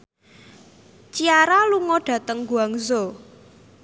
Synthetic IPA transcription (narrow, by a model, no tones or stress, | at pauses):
t͡ʃiaɾaluŋɔɖ̥ä̤t̪əŋɡuaŋzo